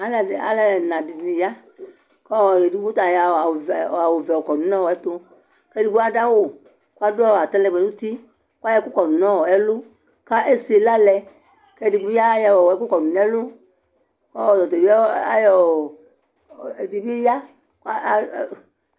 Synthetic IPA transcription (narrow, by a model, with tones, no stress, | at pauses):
a˨la̰˨lɛ˦˨nã˨di˨n˨ĩ˨ja˦ | kɔ˦˨je˨di˦bu˦t̪a˨ja˨a˨a˨wo˨vɛ˨ɔ˨kɔ˨nu˨˦nɔ̃˦wɔ˨ɛ˦t̪o˧ | kɛ˦di˧˦ɡ͡bu˦a˦da˦wo˦˨ | ku˦a˦dɔ˦˨a˨t̪ɛ̃˦lɛ˧˨ɡ͡bɛ˨nũ˦t̪i˦ | ku˦a˦jɛ˧˦ku˦kɔ˨nu˨nɔ̃˦wɔ˨ɛ˦lu˦ | ka˦ʔe˦si˨la˦lɛ˧ | kɛ˦di˧ɡ͡bu˦a˦jɛ˨wɔ˨ɛ˦ku˦kɔ˨nu˨nɛ˦lu˦ | kɔ˦˨dɔ˨t̪o˨˦a˦jɔ˨ | di˨bi˦ja˦ | ka˦˨